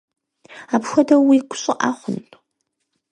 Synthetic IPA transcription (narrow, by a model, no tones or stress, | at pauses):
aːpxʷɔdɐwiɡʷʊɕʼɪʔaːχʷʊnʼ